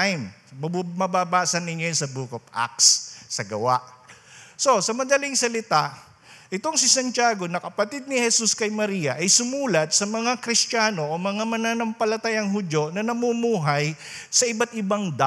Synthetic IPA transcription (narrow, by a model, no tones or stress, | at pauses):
jm | mɐbaːbaːsɐnːɪɲjonsɐbuːkop̚ʔa̰k̚ssɐɡɐwaʔ | so̞sɐmɐd̪ɐlɪŋsɐlɪt̪aʔ | ʔɪt̪o̞ŋsɪsɐnt͡ʃaːɡo̞nɐkɐpɐt̪id̪̚nɪhɛsuskɐjmɐɾiːjɐʔɐjsʊmuːlɐt̪̚sɐmɐŋakɾɪstaːno̞ʔomɐŋamɐnaːnɐmpɐlɐt̪ajaŋɦʊd͡ʒjo̞nɐnɐmumuːɦaj | sɐɪbat̪̚ʔɪbaŋd̪